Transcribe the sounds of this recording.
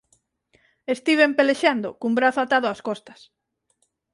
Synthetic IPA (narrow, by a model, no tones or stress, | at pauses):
est̪iβempeleʃand̪ʊ̰kumbɾaθʊat̪aðʊaskɔst̪ɐ̥s